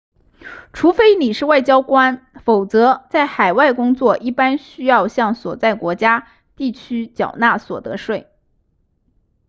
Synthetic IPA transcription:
ʈ͡ʂʰu˧˥fe˥ɪni˨˩ʂɻ̩˥˧wa˥˩ɪt͡ɕjɑ˥ʊkwa˥nfo˨˩ʊt͡sɤ˧˥t͡sa˥˩ɪxa˨˩ɪwa˥˩ɪkʊ˥ŋt͡swɔ˥˩ʔi˥˩pa˥nɕy˥jɑ˥˧ʊɕjɑ˥˩ŋswɔ˨˩t͡sa˥˩ɪkwɔ˧˥t͡ɕja˥ | t̪i˥˩t͡ɕʰy˥t͡ɕjɑ˨˩ʊna˥˩swɔ̰˨˩t̪ɤ˧˥ʂwe˥˩ɪ

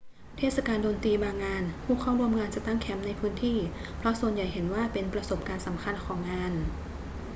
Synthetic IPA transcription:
t̪ʰeː˥˩t̪̚sa˧kaː˧ndoː˧nt̪iː˧baː˧ŋːaː˧nhʰuː˥˩kʰaː˥˩wɾu˧əmŋaː˧nt͡ɕa˨˩t̪a˥˩ŋkʰɛ˩˥mna˧jpʰɯː˦˥nt̪ʰiː˥˩pʰɾɔ˦˥su˨˩ənja˨˩jɦe˩˦nwaː˥˩pe˧npɾa˧so˨˩p̚kaː˧nsa˩˦mkʰa˧nkʰɔː˩˦ŋːaː˧n

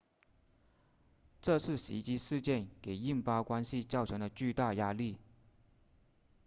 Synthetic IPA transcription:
ʈ͡ʂɤ˥˧t͡sʰɹ̩˥˩ɕḭ˧˥t͡ɕi˥ʂɻ̩˥˧t͡ɕjɛ˥˩nke˨˩ɪi˥˩ŋpɑ˥kwa˥nɕi˥˧t͡sɑ˥˩ʊʈ͡ʂʰɤ˧˥ŋd̪ə˨t͡ɕy˥˧t̪a˥˩ja˥li˥˩

